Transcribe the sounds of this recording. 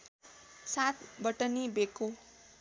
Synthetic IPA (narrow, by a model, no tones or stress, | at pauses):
sat̪ʰbʌʈʌnibeko